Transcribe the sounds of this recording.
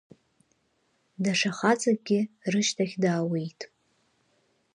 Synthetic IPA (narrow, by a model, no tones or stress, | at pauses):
daʂaχat͡sʼaɡʲɪrɨʃtʰaχʲdaːwejtʼ